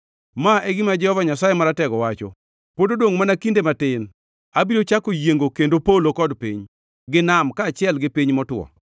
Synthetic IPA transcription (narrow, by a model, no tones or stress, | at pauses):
maɛɡɪmad͡ʒɛhɔvaɲasajemaɾatɛɡɔwat͡ʃɔ̰ | pododwoŋmanakindematɪn | abiɾot͡ʃakojeŋɡokendopaulokɔdpḭɲ | ɡɪnamkaːt͡ʃɪɛlɡɪpiɲmɔtwɔ̰